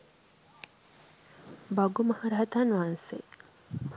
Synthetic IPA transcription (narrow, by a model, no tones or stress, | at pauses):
baɡumɐhaɾaɦɐt̪anʋaːnsḛ